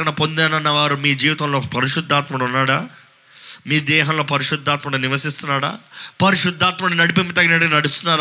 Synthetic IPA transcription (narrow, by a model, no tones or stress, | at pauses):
ɐɳɐpo̞nd̪ɛːnɐnːɐʋaːɾumiːd͡ʒiːʋit̪ɐmloːkɐpɐɾiʃud̪ʱːaːt̪mɐʈɐunːaːɽaː | miːd̪ɛːɦɐnlo̞ːpɐɾiʂud̪ʱːaːt̪mɐʈɐniʋɐsist̪unːaːɽa̰ːpɐɾiʂud̪ʱːaːt̪mɐɽunɐɽipimpit̪ɐɡinɐʈkinɐɽust̪unːaːɾ